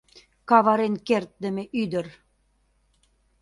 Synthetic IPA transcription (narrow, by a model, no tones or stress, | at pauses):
kɑβɑɾenkert̪̚d̪ə̆meʔyd̪ə̆r